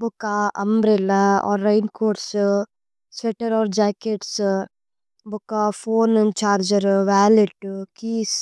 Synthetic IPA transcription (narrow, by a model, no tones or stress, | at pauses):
bukaɐmbɾelɐɔ̰ːɾːɐjnkoːʈs | sʋɛʈɐɾɔːɾd͡ʒaːkeʈs | bukːafoːnent͡ʃaːɾd͡ʒɐɾʋaːliʈkiːs